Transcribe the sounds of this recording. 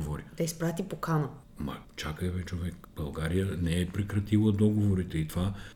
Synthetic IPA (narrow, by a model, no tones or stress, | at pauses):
voɾid̪̥ɐispɾat̪ipokanə | mɐ̰t͡ʃakəɛvɛt͡ʃovɛkb̥ɐlˠɡaɾijənɛɛpɾɛkɾɐt̪ilˠəd̪ɔɡovoɾit̪ɛit̪ova